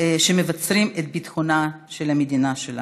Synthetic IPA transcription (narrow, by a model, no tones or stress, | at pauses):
ʃemevat͡sɾimet̪̚bit̪χonaʃelamed̪inaʃela̰